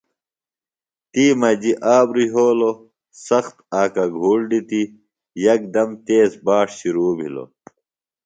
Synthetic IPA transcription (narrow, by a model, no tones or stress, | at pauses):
t̪iːmɐd͡ʑiʔaːbɾiɦoːlo | sɐxt̪aːkɐɡʱuːɽɖit̪i | jɐk̚d̪ɐmt̪eːsbaːʂɕiɾuːbʱḭlo̰